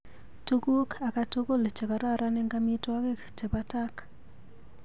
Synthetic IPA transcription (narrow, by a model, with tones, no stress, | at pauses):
to˦ɡo˦kʰa˨ka˦to˦ɡo˦˨lt͡ʃɛ˨ka˨ɾa˦ɾa˦nɛ˦ŋɡa˦mi˦twa˦ɡe˦kt͡ʃɛ˨pa˦ta˦k